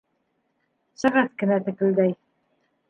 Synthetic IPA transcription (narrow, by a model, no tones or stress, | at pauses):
sɤ̆ʁɤθkɘ̆næt̪ɘ̆kɘ̆ld̪æj